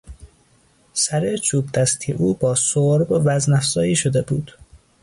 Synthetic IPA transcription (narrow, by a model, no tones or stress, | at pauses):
sæɾet͡ʃʰuːbd̪æst̪ʰiʔuːbɒːsoɾbovæznæfzɒːjiːʃod̪ebuːd̪̥